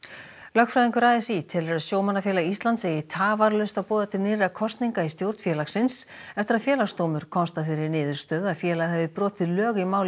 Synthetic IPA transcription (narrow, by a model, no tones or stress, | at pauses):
lœxkfɾajðiŋkʏɾaːjðɪsit̪ʰɪlɛɾaðsjoːwmanːafjɛlaist̪lant̪sejɪt̪ʰaːvaɾlœst̪awpɔːðat̪ʰɪlnɪːɾakʰɔst̪niŋkaist̪jowɾ̥t̪fjɛːlasɪnsɛft̪ɪɾaðfjɛːlast̪oːwmʏɾ̥kʰɔnst̪afɪɾɪɾnɪːðʏɾ̥st̪œːðaðfjɛːlaɣhɛvðɪpɾɔːt̪ɪðlœːɣimaːwl